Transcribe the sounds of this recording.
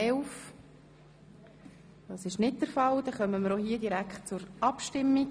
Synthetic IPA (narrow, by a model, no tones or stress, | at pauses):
ɛlf | d̥ɑːsɪʃnɪt̚d̥əɾfɑld̥̪ɛχœməməɾohiːədiɾækχt̚t͡sʊɾʔɑpʃtɪmːiɡ